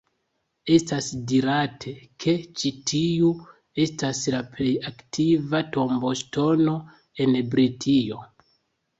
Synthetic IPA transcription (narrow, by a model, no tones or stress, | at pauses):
e̞stasdiɾatʰe̞kʰe̞t͡ʃitʰiu | e̞staslaple̞jaktʰivato̞mbo̞sto̞no̞ | e̞nbɾitʰio̞